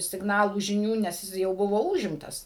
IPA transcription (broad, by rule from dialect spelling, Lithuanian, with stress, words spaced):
sʲɪɡˈnɑːlˠuː ʒʲɪˈnʲuː nʲɛs ˈjɪs jɛʊ ˈbʊʋoː ˈuːʒʲɪmtɐs